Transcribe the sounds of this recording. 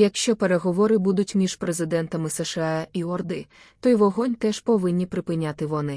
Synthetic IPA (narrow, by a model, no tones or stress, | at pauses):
jɐkʃt͡ʃɔpeɾeɦɔʋɔɾɪbud̪ʊtʲmʲiʒ̥pɾezɪd̪ɛnt̪ɐmɪsɛʃeɑiɔrd̪ɪ | t̪ɔjʋɔɦɔnʲt̪ɛʒ̥pɔʋɪnʲːipɾɪpɪnʲat̪ɪʋɔnɪ